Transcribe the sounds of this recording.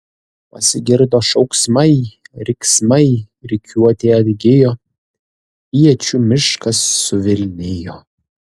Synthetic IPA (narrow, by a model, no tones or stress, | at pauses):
pɐ̰sʲɪɡʲɪɾd̪oːʃɐʊksmɐjɾʲɪksmɐj | ɾʲɪkʲʰuɔt̪ʲeɐdʲɡʲɪjo | ijɛt͡ʃʲumʲɪʃkɐsːʊʋʲɪlʲnʲejo